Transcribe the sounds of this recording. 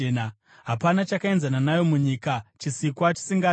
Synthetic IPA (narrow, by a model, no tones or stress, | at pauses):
n | ɦapanat͡ʃakae̞nzananajo̞muɲikat͡ʃisikwat͡ʃi̥siŋɡa